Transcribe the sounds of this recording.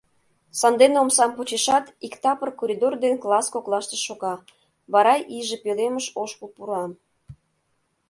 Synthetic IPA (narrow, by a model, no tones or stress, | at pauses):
sɑnd̪eneomsɑmpot͡ɕeʃɑt̪ikt̪ɑpərkoɾʲid̪ord̪enklˠɑskoklˠɑʃt̪eʃoɣɑ | βɑɾɑjʔiʒĕpeleməʃoʃkulpuɾɑm